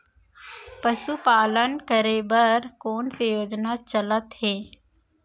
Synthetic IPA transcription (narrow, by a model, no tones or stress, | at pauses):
pəʃupaːlənkəɾeːbəɾkoːnsejoːd͡ʒnat͡ʃələt̪heː